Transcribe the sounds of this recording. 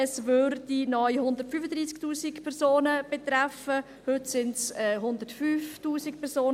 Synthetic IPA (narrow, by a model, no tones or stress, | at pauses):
ɛsvøɾd̥inɔʏhʊnd̪ərtfyfəd̪ɾiːsktuːsikpʰɛʁsoːnəb̥et̪ɾafə | hʏtsɪntsɛːɦʊnd̪ətfyːftuːsikpʰɛɾsoːn